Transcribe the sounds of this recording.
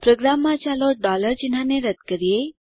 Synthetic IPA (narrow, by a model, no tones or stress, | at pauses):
pɾoɡɾamːat͡ʃalɔɾ̚ɖɔləɾd͡ʑin̤ɦãneɾəd̪kəɾije